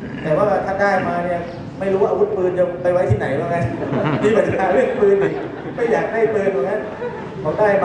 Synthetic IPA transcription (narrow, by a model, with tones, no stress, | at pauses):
t̪ɛː˨˩waː˥˩˥t̪ʰaː˥˩daː˥˩jmaː˧ni˥˩ɐ | ma˥˩jɾu˦wa˧˩ʔwu˦˥t̪̚pɯː˧nt͡ɕa˧pa˧jwa˥jt̪ʰiː˥˩na˩˦jlaː˧ka˧˥n˨˧˦miː˧˩ba˨˩aː˨˧˦ɾɯ˥˩əŋpɯː˧nʔiː˨˩ | ma˥˩jaː˨˩k̚daː˥˩jpɤː˧u˨˩ŋa˦˥n | kʰɔ˨˦daː˥˩jm